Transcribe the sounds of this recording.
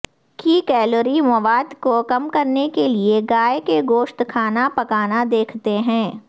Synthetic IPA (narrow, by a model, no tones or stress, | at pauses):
kikɛːloɾimɐʋaːd̪kokɐmkɐɾnekelieɡaːekeɡoːʃt̪kʰaːnapɐkaːnad̪eːkʰt̪eɦɛ̃ː